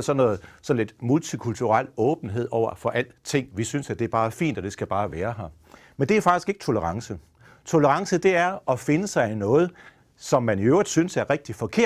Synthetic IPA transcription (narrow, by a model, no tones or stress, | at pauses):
sɒ̽nːɔ̽ːð̩ˠsɒ̽n̩le̝d̥mult͡sʰikʰult͡sʰuʁɑl̰ɔ̽ːb̥n̩ɦe̝ð̞̰ˠɒʊ̰ɐfɒ̽ʔæl̰d̥t͡sʰe̝ŋ̰ʋisynsæd̥e̝æɐbɑ̈ːfḭːnd̥ɒd̥e̝sɡ̥æb̥ɑ̈ːʋæːɐɦɑ | mend̥eæɐfɑ̈ɡ̥isɡ̥e̝ɡ̥ə̥t͡sʰo̝ləʁɑ̈ŋsə | t͡sʰo̝ləʁɑ̈ŋsəd̥e̝æɐɒ̽fe̝nəsɑ̈ɪnɔ̽ːð̞̩ˠ | sɒ̽mːæniøʊ̰ʁid̥ˠsynsæɐʁɛɡ̥̚d̥ifɒ̽kʰe̝ɐ̰